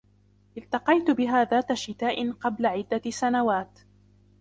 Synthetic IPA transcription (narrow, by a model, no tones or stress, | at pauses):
ʔɪlt̪ɑqɑjt̪ʊbɪɦaːðaːt̪aʃɪt̪aːʔɪnqɑblaʕɪd̪ːasanawaːt̪